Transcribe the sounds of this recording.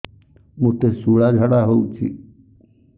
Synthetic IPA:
muʈ̪esuɭad͡ʒʱaɽaɦout͡ʃʰḭ

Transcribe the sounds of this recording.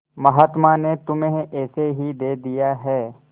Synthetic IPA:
mɐɦaːt̪manet̪ʊmẽɛːseɦid̪eːd̪ijaɦɛː

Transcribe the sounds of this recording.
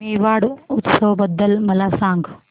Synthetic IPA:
iːʋaːɽut̪sɐʋbɐd̪ːɐlmɐlaːsaːŋɡ

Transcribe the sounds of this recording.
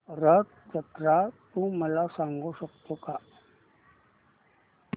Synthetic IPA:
ɾək̚ | d͡zət̪ɾat̪ũːməlasãŋɡuɕəkt̪oka

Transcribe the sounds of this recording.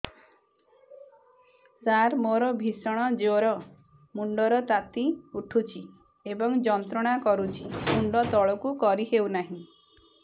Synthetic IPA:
saɾmoɾɔbʱisɔɽ̃ɔd͡ʒoɾɔ | muɳɖɔɾɔt̪at̪iuʈʰut͡ʃʰi | ebɔŋd͡ʒɔnt̪ɾɔɽ̃akɔɾut͡ʃʰimuɳɖɔt̪ɔɭɔkukɔɾiɦewnaɦĩ

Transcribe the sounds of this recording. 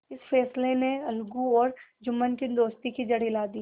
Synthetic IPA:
ɪsfʰɛːsleneɐlɡuɔːɾd͡ʒʊmːənkid̪oːst̪ikid͡ʒɐɽilaːd̪iː

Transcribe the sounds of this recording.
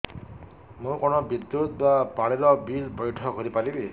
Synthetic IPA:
mũkonɔbid̪jut̪̚bapaɭiɾɔbilbɔjʈʰɔkɔɾipalibe

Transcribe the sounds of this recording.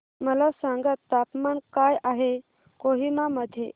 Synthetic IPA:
məlasãŋɡət̪ːapmankajaɦe | koɦimaməd̪ʱːje

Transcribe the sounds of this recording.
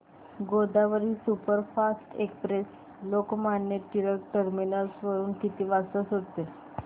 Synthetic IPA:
ɡod̪aʋəɾiːsupəɾfasʈekspɾes | lokmanjəʈiləɾʈəɾminəlsʋəɾuːnkit̪iːʋasəsɦot̪e

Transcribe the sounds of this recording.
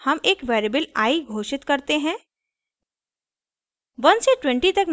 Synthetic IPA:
hɐmeːkʋeːɾebəlaːiɡʱoːʃɪt̪kɐɾt̪eɦɛ̃ː | ʋɐnseʈwɛ̃ɳʈit̪ɐkn

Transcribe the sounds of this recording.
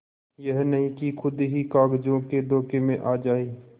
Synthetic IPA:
jɛɦnɐɦĩkixʰʊd̪ɦikaːɡd͡ʒõked̪ɔːkemẽʔaːd͡ʒaːiː

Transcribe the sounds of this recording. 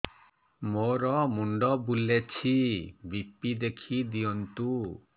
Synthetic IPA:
moɾɔmuɳɖɔbulet͡ʃʰibipid̪ekʰid̪iɔnt̪u

